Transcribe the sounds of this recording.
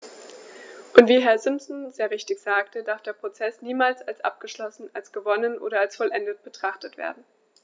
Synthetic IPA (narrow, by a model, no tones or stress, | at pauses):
ʔʊntv̥iːɦɛɐzɪmpsnzeːɐʁɪçtɪçz̥aːktʰədaɐfd̥eːɐpʁ̥ot͡sɛsniːmaːlsalsʔa̰p̚ɡ̥əʃlɔsn̩alsɡ̥əvɔnənʔo̰ːɾɐalsfɔlʔɛndət̚b̥ətʁ̥aχtətv̥ḛːɐdn̩